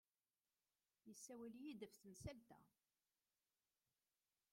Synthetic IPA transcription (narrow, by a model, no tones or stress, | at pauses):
jəsːæwæljid̪əfθmsælt̪æ̰